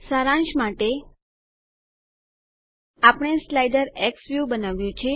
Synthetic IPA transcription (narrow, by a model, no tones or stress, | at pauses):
saɾãnʃmaʈe | apɳ̃eslajɖəɾeksʋjubənaʋjũt͡ʃʰe